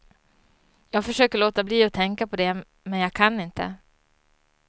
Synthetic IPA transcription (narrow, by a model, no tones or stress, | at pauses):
jɑːɡfœʂøːkəɭoːt̪abliːɔt̪ʰɛŋkapʰɔd̪ɛ | mɛnjɑːɡkʰanːɪnt̪ə̰